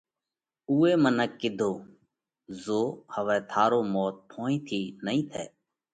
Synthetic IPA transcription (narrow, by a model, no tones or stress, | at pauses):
uːeːmənəkːɪd̪ʱoː | zoːhəʋɛːt̪ʰaːɾoːmɔːt̪̚pʰõːĩːt̪ʰiːnəɦĩːt̪ʰɛ̰ː